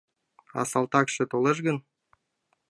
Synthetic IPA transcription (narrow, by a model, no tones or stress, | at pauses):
ɑ̰sɑlt̪ɑkʃĕt̪oleʃ̬ɡə̆n